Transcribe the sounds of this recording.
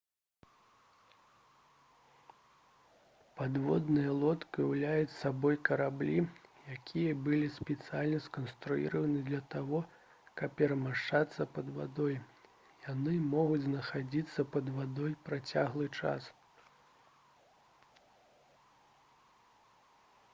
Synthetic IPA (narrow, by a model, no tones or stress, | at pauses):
pad̪vɔ̰d̪nɨjɐlˠɔt̪kiwlʲajut͡sʲsabɔjkɐɾablʲijakʲʰijɐbɨlʲispʲɛt̪sɨjalʲnɐskɐnst̪ɾujḭɾɐvɐnɨd̪lʲɐt̪avɔ | kɐppʲɛɾɐmaʂt͡ʂat̪sːɐpɐd̪va̰d̪ɔj | janɨmɔɣud͡zʲznɐxad͡zʲit̪sːɐpɐd̪vad̪ɔjpɾat͡sʲaɣlˠɨt͡ʂa̰s